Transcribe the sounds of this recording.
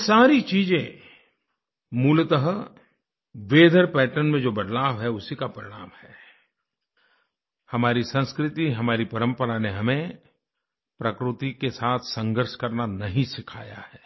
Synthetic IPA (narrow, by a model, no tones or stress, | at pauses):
saːɾit͡ʃiːd͡ʒẽ | muːlt̪əɦə | ʋeːd̪ʱəɾpɛːʈənmẽd͡ʒoːbɐd̪laːʋɦɛʊsikapɐɾɪɽ̃aːmhɛː | hɐmaːɾisɐ̃nskɾɪt̪iɦɐmaːɾipɐɾə̃mpəɾaneɦɐmẽ | pɾɐkɾʊt̪ikesaːt̪ʰsɐ̃ŋɡəɾʃkɐɾnanɐɦĩsɪkʰa̰ːja̰hɛː